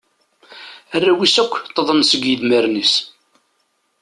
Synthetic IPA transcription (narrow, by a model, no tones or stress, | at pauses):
ærːæwisækʷːt̪ˤːəðˤənsəɡjəðməɾnis